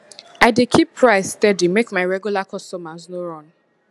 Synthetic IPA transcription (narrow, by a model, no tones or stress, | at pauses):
aɪdekʰipʰːɹaɪzstɛdimekmaɪɹɛɡjulakʰɔstɔmaznoɾɔ̃n